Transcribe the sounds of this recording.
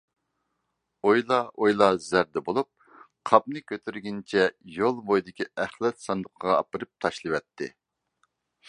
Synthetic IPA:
ojlˠɑʔojlˠɑzæɾd̪ɛbolˠup̚ | qʰɑp̚nɨkʲʰøt̪ʰyɾɡʲint͡ʃʰɛjolˠbojd̪ɪkʲiæχlˠɛt̪sɑnd̪əqʰəʁɑɑ̰pəɾɨp̚t̪ʰɑʃlˠɨwɛt̪ʰːɪ̰

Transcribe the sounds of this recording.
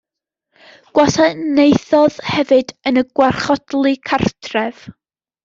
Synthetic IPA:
ɡ̥wasʰanejθɔðhɛvɨdənəɡ̥warχɔd̥lˠikʰartʰrɛv̥

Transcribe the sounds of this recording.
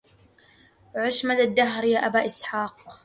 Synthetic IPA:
ʕʊʃmad̪ad̪ːaɦɾjaːʔabaːʔɪsħaːq

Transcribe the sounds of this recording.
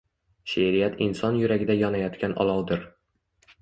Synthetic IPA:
ʃeɾijat̪ʰɪnsɒnjʊɾaɡʲɪd̪ajɒnajɒt̪kʲʰanʔɒ̰lˠɒwd̪ɪɾ

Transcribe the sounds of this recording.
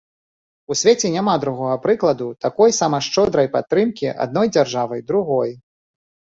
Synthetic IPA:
usʲvʲet͡sʲɛnʲamad̪ɾuɣɔɣɐpɾɨklˠɐd̪ut̪akɔjsamɐʂt͡ʂɔd̪ɾɐjpat̪ːɾɨmkʲiʔa̰d̪̚nɔjd͡zʲarʐavɐjd̪ɾuɣɔj

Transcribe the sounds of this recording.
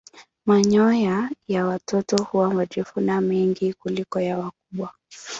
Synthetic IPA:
maɲɔjajawatɔtɔhuwamad͡ʒifunamiŋɡikulikɔjawak̚uɓwa

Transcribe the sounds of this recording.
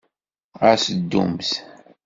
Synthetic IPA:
asəd̪ːṵmθ

